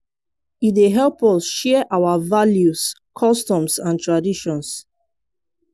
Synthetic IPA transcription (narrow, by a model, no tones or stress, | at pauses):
itdeɦɛlpɔsʃɛʔawavaljuskʰɔstɔ̃msãntɹadiʃɔ̃ns